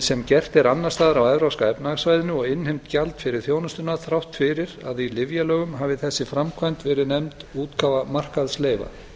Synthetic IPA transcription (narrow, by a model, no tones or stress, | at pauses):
sɛmcɛr̥t̪ɛɾanːast̪aːðaɾawɛvɾawskaɛpnaɣsvajðɪnʏɔɣɪnhɪmt̪calt̪fɪɾɪɾ̥θjoːwnʏst̪ʏnaθɾawht̪fɪɾɪɾa̰ðilɪvjalœːɣʏmɦaːvɪθɛsːɪfɾamkʰvajnt̪vɛːɾɪnɛmt̪uːt̪kʰavamar̥kaðsleːjva̰